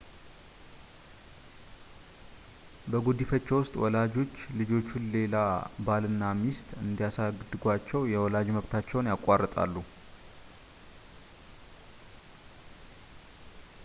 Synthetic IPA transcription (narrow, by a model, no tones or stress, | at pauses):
bəɡud̪ifət͡ʃːɛwʊst̪ʼwɔ̰lad͡ʒo̞t͡ʃːlɨd͡ʒo̞t͡ʃːunle̞labalɨnːamist̪ʼɨnd̪ijasaɡd̪ɨɡʷat͡ʃːɛwjɛwɔlad͡ʒməβt̪ʰat͡ʃːɛwnjakʼːarːət̪ʼa̰lːu